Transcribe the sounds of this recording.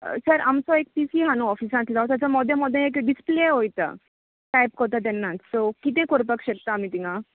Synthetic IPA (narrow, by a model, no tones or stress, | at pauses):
səɾamt͡sɔek̚pisiɦanũɔfisãt̪lat̪jat͡ɕamɔd̪ʱjəmɔd̪ʱːẽekɖispleɦojt̪ə̰ | ʈajp̚kət̪at̪̬ɛnːãsokit̪ẽkoɾpəkɕək̚t̪aːmiːt̪ĩŋa